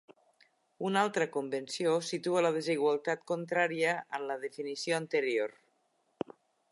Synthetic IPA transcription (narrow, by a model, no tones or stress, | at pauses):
unalˠt̪ɾəkombənsiosit̪uələð̞eziɣ̞walˠt̪at̪kont̪ɾaɾiəənləðefinisioənt̪əɾioɾ